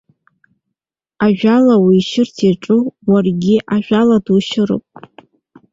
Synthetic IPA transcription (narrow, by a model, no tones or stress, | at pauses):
aʒᶣalawiːʃɪrtʰiʈ͡ʂʼuwarɡʲɪʔaʒᶣʷaladuʃɪɾɨ̰pʼ